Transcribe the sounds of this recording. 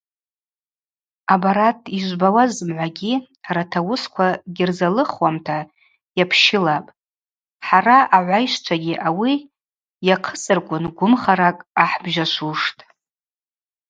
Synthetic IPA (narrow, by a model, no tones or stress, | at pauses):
abaɾatʰiʒʷbawazmʕʷaɡʲi | aɾatʰawʊskʷʰaɡʲɪrzalɨχwamtʰa | japʰʃɪlapʼ | ħaɾaaʕʷajʃʷt͡ʃʷʰaɡʲiʔawi | jaqʰəsɨrkʷʼʊnɡʷʊmχaɾakʼaħbʒaʃʷuʂtʼ